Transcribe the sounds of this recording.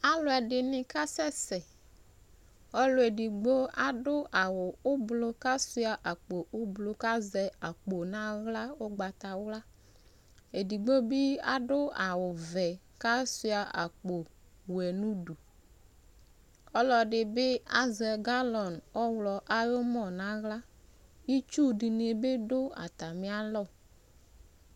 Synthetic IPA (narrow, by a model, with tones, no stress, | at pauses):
a˦lʊ˦ɛ˨ɖɪ˨nɪ̃˨ka˦sɛ˦sɛ˨ | ɔ˦lʊ˨˦e˨di˨ɡ͡bo˦a˦˨ɖʊ˦a˨wʊ˨ʊ˦blʊ˦ka˦sʊ˦a˨ʔa˨k͡po˨ʔʊ˦blo˨ka˦zɛ˨a˨k͡po˨nã˦ɣla˦ʊ˦ɡ͡ba˨t̪a˨wla˦ | e˨di˨ɡ͡bo˦bɪ˦a̰˨ɖʊ˦a˨wʊ˨vɛ˨ | ka˦su˦a˨ʔa̰˨k͡po˨ | wɛ˨nũ˦du˨ | ɔ˦lɔ˨dɪ˨bɪ˦a˦zɛ˨ɡa˦lɔ˨nɔ˦wlɔ˨ʔa˦jo˦mɔ˦˨na˦ɣla˦i˦t͡ʃu˦di˨n˨e˨bɪ˦dʊ˦a̰˨t̪a˨mɪ˦a˦lɔ˦˨